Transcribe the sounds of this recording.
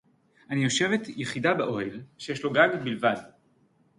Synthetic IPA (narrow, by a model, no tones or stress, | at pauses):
ʔanijo̞ʃe̞ve̞t̪jeχidabeʔohelʃejeʃlo̞ɡaɡbilvad